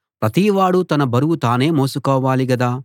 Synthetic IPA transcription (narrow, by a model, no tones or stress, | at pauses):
pɾɐt̪iːʋaːɽut̪ɐnɐbɐɾuwut̪aːne̞ːmoːsukɔːʋaːliɡɐd̪aː